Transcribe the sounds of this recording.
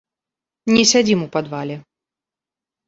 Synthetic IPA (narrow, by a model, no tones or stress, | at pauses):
nʲɛsʲad͡zʲimupad̪valʲɛ